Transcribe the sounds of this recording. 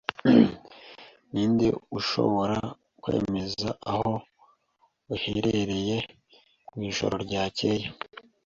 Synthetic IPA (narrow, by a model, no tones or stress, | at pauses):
niːndḛuʃo̞̰βo̞ɾa | kwe̞̰ːme̞zaaho̞ | uheɾeɾe̞je̞ | kwiːʒo̞̰ɾo̞ɾɟaːceje